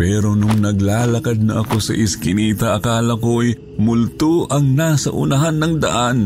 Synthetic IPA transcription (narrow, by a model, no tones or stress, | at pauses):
pɛːɾo̞nʊŋnɐɡlaːlɐkad̪̚nɐʔɐko̞sɐ̰ʔɪskɪniːt̪ɐʔɐkaːlɐkoʔɐj | mʊlt̪oʔɐŋnasɐ̰ʔʊ̰nɐɦanːɐŋd̪ɐ̰ʔan